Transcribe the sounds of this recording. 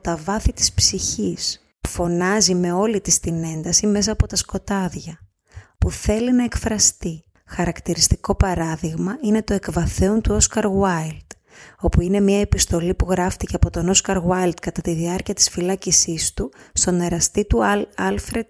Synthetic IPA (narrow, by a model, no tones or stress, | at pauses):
t̪ɐvɐθit̪i̥spsiçis | fo̞nɐzime̞o̞lit̪ist̪ine̞nd̪ɐsime̞s̬ɐːpo̞t̪ɐsko̞t̪ɐðʝɐ | puθe̞linɐe̞kfɾɐst̪i | xɐɾɐkt̪iɾist̪iko̞pɐɾɐðiɣmɐine̞t̪o̞e̞kvɐθe̞o̞nt̪uo̞skɐɾwaɐjld̪̥ | o̞puine̞miɐe̞pist̪o̞lipuɣɾɐft̪ice̞ɐpo̞t̪o̞no̞skɐɾɣwɐjld̪kɐt̪ɐt̪iðiɐɾciɐt̪i̥sfilɐcisist̪ust̪o̞ne̞ɾɐst̪it̪uɐlfɾe̞d̪̚